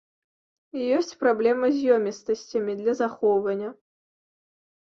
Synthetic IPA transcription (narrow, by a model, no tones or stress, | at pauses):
ijɔsʲt͡sʲpɾablʲɛmɐzʲjɔmʲist̪ɐsʲt͡sʲɐmʲid̪lʲɐzaxɔvɐnʲːɐ